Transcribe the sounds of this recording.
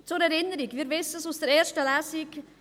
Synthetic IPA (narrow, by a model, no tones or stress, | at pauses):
t͡sʊɾɛɾɪnəɾiɡviːɾvɪsəsusd̥əɾɛːɾʃtəlæːsɪk